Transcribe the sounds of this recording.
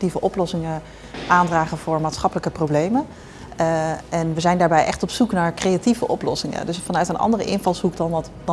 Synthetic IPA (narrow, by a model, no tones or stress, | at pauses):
tivəʔɔplɔsɪŋə | ʔaːndraːχənvʊːɹmaːtsχɑpələkəprowblejmən | ɛnʋəzɛjndaːɹbɛjʔɛχtɔpsuknaːɹkrejativə̰ʔɔplɔ̰sɪŋə̰dɵsfɑnœɥtənʔɑ̰ndərəʔɪnvɑlˠsukdɑnt | d